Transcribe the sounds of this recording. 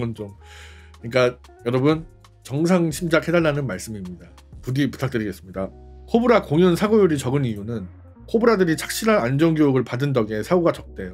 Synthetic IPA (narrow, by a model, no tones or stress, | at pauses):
ʌnt͡ɕom | kɯɲik͈a | jʌɾʌbɯn | t͡ɕʌŋsʰaŋɕʰimd͡ʑak̚hʰe̞daɭːanɯnmaɭs͈ɯmimɲida | pudipu̥tʰak̚t͈ɯɾiɡe̞s͈ɯmɲida | kʰobɯɾakoŋjʌnsʰaɡojuɾit͡ɕʌɡɯnijunɯn | kʰobɯɾadɯɾit͡ɕʰḁk̚ɕ͈iɾanand͡ʑʌŋɡojoɡɯɭpadɯndʌɡe̞sʰaɡoɡat͡ɕʌk̚t͈e̞jo